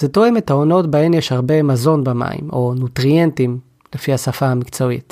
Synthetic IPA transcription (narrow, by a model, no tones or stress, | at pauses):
zetoe̞me̞tao̞no̞tbae̞mjeʃhaʁbe̞mazo̞nbema̰ḭmo̞nutʁie̞ntim | le̞fihasafahamikt͡so̞ḭt